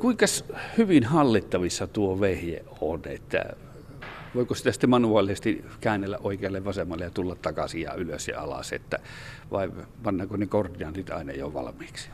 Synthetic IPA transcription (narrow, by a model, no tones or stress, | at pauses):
kuiŋkɑshyʋinhɑlːit̪ːɑʋisːɑt̪uoʋehjḛʔonḛt̪ːæ̰ | ʋoˑikosi̥t̪æsi̥t̪ːemɑnuɑlːˑisest̪ikæːnːelːæʔʔoˑikeɑlːeʋʋɑsemːɑlːejɑt̪ulːɑt̪tɑkɑsiɑ̰yløsjɑ̰ɑ̰lɑ̰sḛt̪ːæ | ʋɑ̰i | pɑnːɑkonekort̪iɑnsit̪ɑ̰ˑinɑ̰jo̰ʋɑ̰lɑmˑiːksi̥